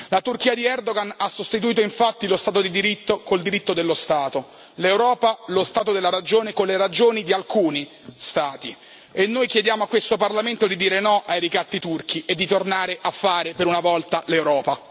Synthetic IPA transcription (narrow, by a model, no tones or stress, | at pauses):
lat̪urk̟iːad̪iɛrd̪oɡanasːost̪it̪uiːt̪oiɱfat̪ːilost̪aːt̪od̪id̪iɾit̪ːokold̪iɾit̪ːod̪elːost̪aːt̪o | lewɾɔːpalost̪aːt̪od̪elːaɾad͡ʒoːnekonleɾad͡ʒoːnid̪ialkuːni | st̪aːt̪i | enːojk̟jed̪jaːmoakːwest̪oparlament̪od̪id̪iːɾenɔʔajɾikat̪ːit̪urk̟ʰiʔed̪ːit̪ornaːɾeʔafːaːɾepeɾunavɔlt̪alewɾɔːpa